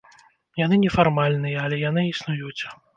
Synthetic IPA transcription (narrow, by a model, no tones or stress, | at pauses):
janɨnʲɛfarmalʲnɨjɐɐlʲɛjanɨisnujut͡sʲ